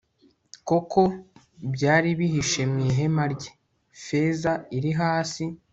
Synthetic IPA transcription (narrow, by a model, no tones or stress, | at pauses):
ko̞kʰo̞ | bɟaːɾiβiɦiʃemŋiːɦe̞maɾɟe | fe̞zaiɾiɦaːsi